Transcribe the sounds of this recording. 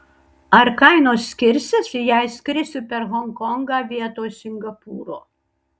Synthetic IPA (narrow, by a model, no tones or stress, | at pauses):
ɐɾkɐɪnoːsːʲkʲɪɾʲsʲɪsʲɪjɛɪsʲkɾʲɪsʲʊpʲɛɾɣɔŋkɔŋɡɑʋʲiɛt̪oːjsʲɪŋɡɐpuːɾoː